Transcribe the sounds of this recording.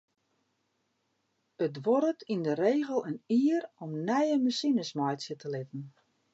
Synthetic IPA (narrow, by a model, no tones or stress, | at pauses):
ətʋɔɾətindəɾeːɣəlˠəniːəɾɔmnɛjəməsinəsmɔjsjətəlɪtən̩